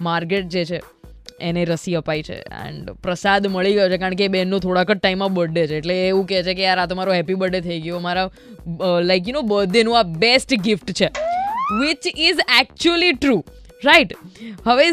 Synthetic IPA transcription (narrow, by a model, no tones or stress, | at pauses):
maɾkeʈ̚d͡ʒet͡ʃʰeː | neɾəsiəpait͡ʃʰḛɛ̰̃ɳɖpɾəsad̪məɭiɡəjot͡ʃʰekaɾəɳkeːbenːõt̪ʰoɽakəʈʈaimːãbəɖet͡ʃʰeːʈleːʋũkɛt͡ʃʰekeaɾat̪omaɾoɦɛpibəɖet̪ʰəiɡəjomaɾa | laɪkjunobəd̪ːenũabesʈɡɪfʈt͡ʃʰeʋɪt͡ʃɪzɛk̚t͡ʃuəliʈɾuː | ɾaiʈɦəʋe